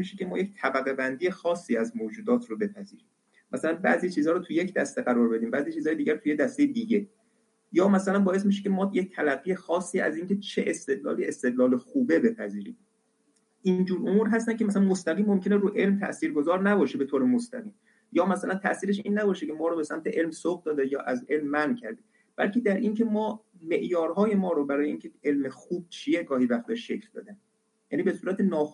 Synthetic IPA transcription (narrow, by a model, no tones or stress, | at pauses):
smiʃecʰe̞mɒːject̪ʰæbæɣe̞bænd̪iːexɒːsːiːæzmoːd͡ʒuːd̪ɒːt̪ʰrobe̞pʰæziːɾi | mʔæsælænbæ̰ːziːt͡ʃʰiːzhɒːɾot̪ʰujecʰd̪æst̪e̞ɣæɾɒːɾbe̞d̪iːmbæːziːt͡ʃʰiːzɒːje̞d̪iːɟæɾt̪ʰujed̪æst̪ejed̪iːɟe̞ | jɒːmæsælænbɒːje̞s̬miʃ̬e̞cʲʰe̞mɒːjec̚t̪ʰælæɡːijexɒːsːiːæ̰ziːŋcʰe̞t͡ʃʰeʔest̪e̞d̪lɒ̰ːliːe̞st̪e̞d̪lɒːlexuːbe̞be̞pʰæziːɾḭːm | ʔind͡ʒuːɾʔomuːɾɦæst̪æncʰemæsælænmost̪æɣiːmːomcʰʲe̞ne̞ɾuːʔe̞lmt̪ʰæ̰ʔsiːɾɡozɒːɾnæbɒːʃebe̞t̪ʰoːɾemost̪æ̰ɣiːm | jɒːmæsælænt̪ʰæ̰ʔsiːɾeʃiːnːæbɒːʃece̞mɒːɾoːbesæmt̪ʰe̞ʔe̞lmsoɡ̚d̪ɒːd̪ejɒːʔæze̞lmːæncʰæɾd̪e | b̥æ̰lcʰed̪æɾʔincʰe̞mɒːme̞ʔjɒːɾhɒːje̞mɒːɾobæɾɒːjeiːncʲʰee̞lmexuːb̚t͡ʃʰijeɡɒːhivæxt̪eʃʃe̞cʰld̪ɒ̰ːd̪æn | jæːniːbe̞suːɾæt̪ʰenɒː